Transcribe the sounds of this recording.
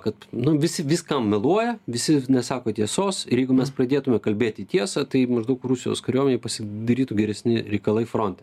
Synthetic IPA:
kɐt̪nʊʋʲɪsʲɪʋʲɪskɐmmʲɛlˠuɔjɛʋʲɪsʲɪnʲɛsɑːkoːt̪ʲiɛsoːsɪjɛɪɡʊmʲɛsprɐd̪ʲeːt̪ʊmʲɛkɐlʲbʲeːt̪ʲiːt̪ʲiɛsɑt̪ɐɪmɐʒd̪ɐʊkrusʲɪjo̰ːskɐɾʲuɔmʲɛnʲeɛɪpɐsʲɪd̪ɐɾʲiːt̪uɡʲɛɾʲɛsʲnʲɪɾʲɛɪkɐlˠɐɪfɾoːnʲt̪ʲɛ

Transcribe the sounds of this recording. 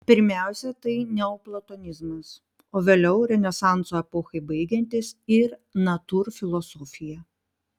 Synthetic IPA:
pʲɪɾʲmʲæˑʊsʲɛt̪ɐɪnʲɛoːplˠɐt̪oːnʲɪzmɐs | oːʋʲeːlʲɛʊɾʲɛnʲɛsɑˑnt̪soːɛpoːxɐɪbɐɪɡʲɛnʲt̪ʲɪsɪɾnɐt̪uːɾfʲɪlˠosɔːfʲɪjɛ

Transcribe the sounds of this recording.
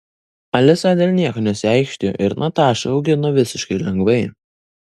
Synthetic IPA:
ɐlʲɪsɑd̪ʲeːlʲnʲiɛkoːnʲɛsʲɪɛˑɪkʃʲt̪ʲɪjo̰ːʔɪɾnɐt̪ɑːʃɐɐʊɡʲɪnoːʋʲɪsʲɪʃkɐɪlʲɛŋɡʋɐɪ

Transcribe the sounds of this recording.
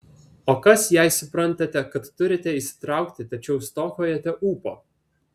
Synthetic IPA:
oːkɐsjɛɪsʊpɾɐnt̪ɐt̪ʲɛkɐt̪ːʊɾʲɪt̪ʲɛisʲɪ̥t̪ɾɑˑʊkt̪ʲɪt̪ɐt͡ʃʲɛʊst̪oːxoːjɛt̪ʲɛʔuːpo̰ː

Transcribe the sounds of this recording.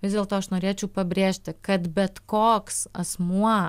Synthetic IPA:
ʋʲɪzd̪ʲeːlˠt̪oːɐʃnoːɾʲeːt͡ʃʲɛʊpɐbʲɾʲeːʃʲt̪ʲɪkɐt̪bʲɛt̪koːksɐsmuɔ

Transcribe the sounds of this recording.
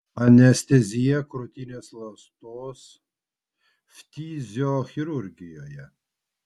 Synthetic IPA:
ɐnʲɛsʲt̪ʲɛzʲijɛkɾɔt̪ʲinʲeːslˠɐst̪oːs | ft̪ʲiːzʲoxʲɪɾuɾʲɡʲɪjoːjɛ

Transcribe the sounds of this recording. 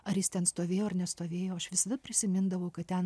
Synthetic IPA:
ɐrjɪst̪ʲɛnst̪oːʋʲeːjoːɐrnʲɛst̪oːʋʲeːjoːɐʃʋʲɪsɐd̪ɐpʲɾʲɪsʲɪmʲɪnd̪ɐʋɐʊkɐtt̪ʲɛn

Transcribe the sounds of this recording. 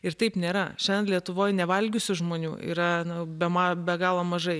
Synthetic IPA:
ɪɾt̪ɐɪpnʲeːɾɐʃʲɛnʲlʲiɛt̪ʊʋoːjnʲɛʋɐlʲɡʲʊsʲʊʒmoːnʲuːḭːɾɐnʊbʲɛmɑːbʲɛɡɑːlˠoːmɐʒɐɪ

